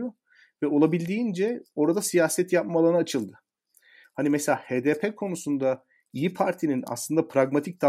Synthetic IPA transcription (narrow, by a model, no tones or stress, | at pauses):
o | vɛo̞lˠabilʲd̪iːnd͡ʒɛo̞ɾad̪asijaːsɛt̪jap̚malˠaɾnaːt͡ʃʰɯlˠd̪ɯ | hanimɛselʲaːheːd̪epʰɛkʰo̞nusund̪a | ijipʰaɾt̪ʰinina̰slˠɯnd̪apɾaɡmat̪ʰic̚d̪a